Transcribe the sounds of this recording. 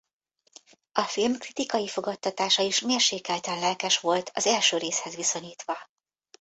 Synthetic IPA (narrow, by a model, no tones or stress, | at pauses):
ɒfilmkrit̪ikɒjifo̞ɡɒt̪ːɒt̪aːʃɒiʃmeːrʃeːkɛlt̪ɛnlɛlkɛʃʋo̞lt̪ʰɒzɛlʃøːɾeːshɛzʋiso̞ɲiːt̪ʋɒ